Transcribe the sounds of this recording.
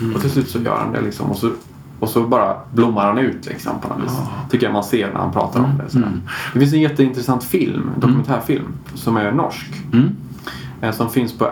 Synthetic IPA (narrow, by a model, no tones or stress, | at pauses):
ɔt̪ʰɪlslʉ̟ːt̪sɔjœ̰ːɾha̰nd̪əɛ̰lɪksɔ̰mɔsɔ | ɔsɔbɑːɾablʊmːaɾhanʉ̟ːt̪ʰlɪ̰ksɔ̰mpʰɔnɔ̰nvḭːsst̪ʰʏkːəɾjamanseːɾɳʔæ̰ha̰pʰɾɑ̰ːt̪aɾɔmd̪ɛ̰sɔd̪æ̰ːɳd̪ɛfɪns̬ɛnjɛt̪ːəɪnt̪ɾɛsant̪fɪlmd̪ɔkɵmɛnt̪ʰæːɾfɪlm | sɔmæɾnɔ̰ʂk | sɔmfɪnspʰɔ